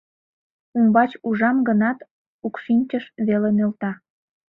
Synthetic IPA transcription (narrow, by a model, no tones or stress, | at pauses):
umbɑt͡ɕuʒɑmɡənɑt̪ | ukʃinʲt͡ɕəʃβelenølt̪ɑ